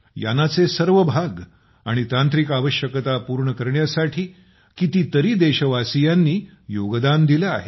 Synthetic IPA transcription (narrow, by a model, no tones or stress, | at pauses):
ja̰nat͡sesəɾʋəbʱaɡ | aɽ̃it̪ãnt̪ɾikaʋəɕjəkət̪apuɾɳəkəɾɳjasaʈʰiː | kit̪iːt̪əɾiːd̪eɕəʋasijanːiː | joɡd̪and̪ilea̰ɦḛ